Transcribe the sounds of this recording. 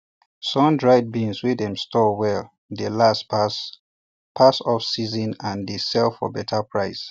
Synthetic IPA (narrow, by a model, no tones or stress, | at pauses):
sɔ̃ndɹaɪd̚bĩnswidɛ̃mstɔwɛl | ðəlas | pʰasɔfsizɔ̃nãndesɛlfɔ̰bɛtʰəpʰɹaɪs